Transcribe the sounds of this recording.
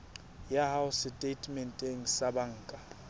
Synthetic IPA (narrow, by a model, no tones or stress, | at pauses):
jaɦawʊsɪtʼetʰʼmɛntʼeŋ̩sabaŋ̩ːkʼa